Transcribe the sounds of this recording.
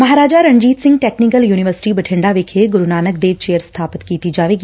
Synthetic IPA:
mɐɦaːɾaːd͡ʒaɾɐ̃ɲd͡ʒiːt̪sɪ̃ŋɡ̚ʈeːknɪkəljuːnɪʋəɾsɪ̥ʈibɐʈʰɪ̃ɳɖaʋekʰeɡʊɾunaːnək̚d̪eːʋt͡ʃeːjəɾst̪ʰaːpɪt̪kiːt̪id͡ʒaːʋeːɡiː

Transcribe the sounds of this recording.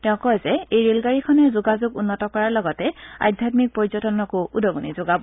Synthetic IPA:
tɛʊ̃kɔjzɛejɹelɡaɹikʰɔnɛzʊɡazʊɡunːɔtɔkɔɹaɹlɔɡɔtɛa̰jdʱjatmik̚pɔɹzɔtɔnɔkʊʔudɔɡunizoɡabɔ

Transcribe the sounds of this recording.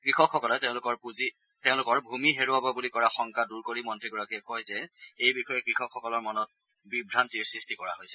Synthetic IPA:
kɹixɔkxːɔkɔlɛtɛʊ̃lʊkɔɹpuzi | tɛʊ̃lʊkɔɹbʱumiɦeɹuababulikɔɹaxɔŋkaduɹkoɹimɔntɹiɡɔɹakiɛkɔjzɛejbixɔjɛkɹixɔkxɔkɔlɔɹmɔnɔt̚ | bibʱɹantiɹsɹistʰikɔɹa̰ɦojsɛ

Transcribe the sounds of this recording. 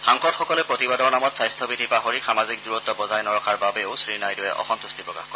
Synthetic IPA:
xaŋxɔtxɔkɔlɛpɹotibadɔɹnamɔtsajstʰɔbidʱipaɦoɹixamazik̚duɹɔt̪ːɔbɔzajnɔɹɔkʰaɹbabeosɹinajdʊɛ̰ʔɔ̰xɔnt̪ustʰipɹɔka̰xkɔɹɛ

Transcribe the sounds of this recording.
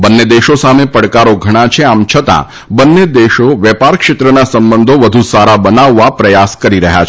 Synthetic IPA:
bənːed̪eʃosamepəɽkaɾoɡʱəɽ̃at͡ʃʰeamt͡ʃʰət̪ã̰ | bənːed̪eʃoʋjɛpaɾkʃɪt̪ɾənasəmbənd̪ʱoʋəd̪ʱusaɾabənaʋːapɾəjaskəɾiɾəɦja̰t͡ʃʰ

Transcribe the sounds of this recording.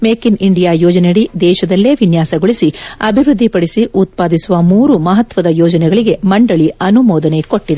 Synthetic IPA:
meːkiniɳɖijaːjɔːd͡ʒɐneɽid̪ɛːʃɐd̪ɐlːeːʋinjaːsɐɡoɭisiɐbʱiʋɾud̪ʱːipɐɽisiʔut̪̚paːd̪isuʋɐmuːɾumɐɦɐt̪ʋɐd̪ɐjɔːd͡ʒɐnɛɡɐɭiɡe̞mɐɳɖɐɭiɐnumɔːd̪ɐne̞ko̞ʈːid̪e

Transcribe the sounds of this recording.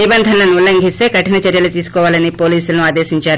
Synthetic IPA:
nibɐnd̪ʱɐnɐlɐnulɐŋɡʱist̪eːkɐʈinɐt͡ʃɐɾjɐlɐt̪iːsu̥kɔːʋaːlɐnipo̞ːliːsulɐnuaːd̪eːsiɲt͡ʃaːɾu

